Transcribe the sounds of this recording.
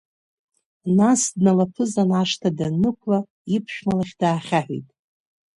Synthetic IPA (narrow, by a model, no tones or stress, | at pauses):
nasdnalapʰɨzanaʂtʰadanɨkʷʰla | ipʰʃᶣmalaχʲdaːχʲaħʷḭtʼ